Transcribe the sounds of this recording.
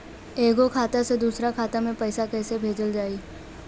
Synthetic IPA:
eːɡokʰaːt̪ased̪uːsɾakʰaːt̪amẽpɛɪsakɛːsebʱeːd͡ʒəld͡ʒaːiː

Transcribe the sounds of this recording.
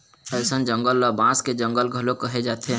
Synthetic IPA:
əɪsənd͡ʒə̃ŋɡəlːəbãsked͡ʒə̃ŋɡəlɡʱəlokəɦed͡ʒaːt̪ʰe

